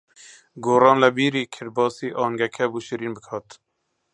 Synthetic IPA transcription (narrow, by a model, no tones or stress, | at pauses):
ɡoːɾɑːnlɛbiːɾiːkʰɪɾbɑːsiːʔɑːŋɡɛkʰɛbuːʃiɾiːnbɨkʰɑːt̪